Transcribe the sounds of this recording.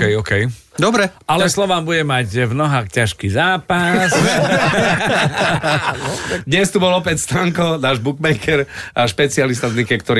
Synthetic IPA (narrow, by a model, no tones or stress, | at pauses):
kɛjɔkɛj | d̪ɔbɾɛalɛslɔʋaːmbuɟɛmacvnɔɦaːxcaʃkizaːpas | d̪ɲɛst̪ubɔlɔpɛcst̪ɾaŋkɔnaːʒbukmɛkʰɛɾaʃpɛt͡sialist̪aznikɛkt̪ɔɾi